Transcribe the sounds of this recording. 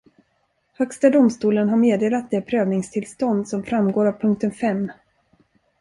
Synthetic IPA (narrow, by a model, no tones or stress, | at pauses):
hœkst̪ad̪ʊmst̪uːlənɦaɾmeːd̪eːlat̪̚d̪ɛpʰɾøːvnɪŋst̪ʰɪlst̪ɔnd̪sɔmfɾamɡoːɾavpʰɵŋk̚t̪ənfɛmː